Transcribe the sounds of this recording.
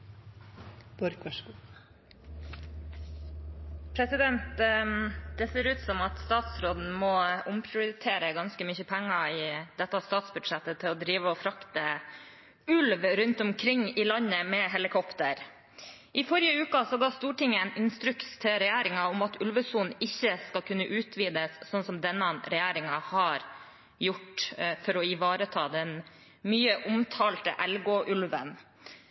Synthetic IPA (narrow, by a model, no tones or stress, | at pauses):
bɔɾk | pʰɾɛsɪd̪ɛnt̪ | d̪̥ɛseːɾʉːt̪sɔmɑt̪st̪ɑːt̪sɾoːd̪n̩mɔʊmpʰɾɪʊɾət̪ʰeːɾəɡɑnskəmʏçəpʰæŋːɑɪd̪ɛt̪ːɑst̪ɑːt̪sbʉd̪ʂɛt̪ːət̪ʰɪlɔd̪ɾiːʋəɔfɾɑkt̪ə | ʉlʋɾʉnt̪ʊmkʰɾɪŋːɪːlɑnːəmɛɦɛlɪkʰɔpt̪əɾ | ʔɪfɔɾɪjəʉːkɑsɔɡɑːst̪uːʈɪŋːəɛnɪnst̪ɾʉkst̪ʰɪɾɛjæːɾɪŋɑʊmɑt̪ʉlʋəsunɪçːəskɑlkʰʉnːəʔʉːt̪ʰʋiːd̪əssɔnsɔmd̪ɛnːɑɾɛjæːɾɪŋɑhɑɾ | jʊʈfɔɾɔɪʋɑːɾət̪ʰɑːd̪ɛn | myːəʔʊmt̪ʰɑːlt̪ə̰ʔɛlɡoʔʉlʋən